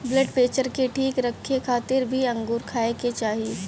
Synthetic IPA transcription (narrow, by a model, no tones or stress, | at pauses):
bləɖpeːt͡ʃəɾkeʈʰiːkɾɐkʰːekʰaːt̪ɪɾbʱiɐ̃ŋɡuːɾkʰaːeket͡ʃaːɦie